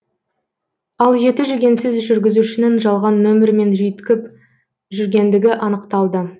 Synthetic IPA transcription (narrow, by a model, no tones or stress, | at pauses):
ɑlˠʒe̞t̪ɪʒʏɡʲe̞nsɪzʒʏɾɡʲɪzuʃɪnenʒɑlˠʁɑnːɵmɪɾme̞nʒʏjt̪kʲɪp | ʒʏɾɡʲe̞nd̪ɪɡʲɪʔɑnəqt̪ɑlˠd̪ə